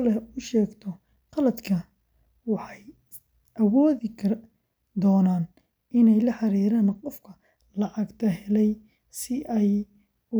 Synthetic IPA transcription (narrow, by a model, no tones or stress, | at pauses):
lɛʊʃɛːɡt̪ʰɔ | qɑlɐd̪kʰɐ | wɑħɑj | ʔɐwɔːðɪkʰɐ | d̪ɔːnaːn | ʔɪnɛjlɐħɑɾiːɾaːnqɔfkʰɐ | lɑʕɑɡt̪ʰɐɦɛlɛj | sɪʔɛj | ʊ